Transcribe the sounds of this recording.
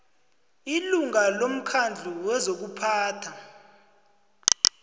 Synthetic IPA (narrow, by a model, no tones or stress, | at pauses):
iluŋalom̩kʰand͡ɮʱuwɛzok̬upʰaːtʰa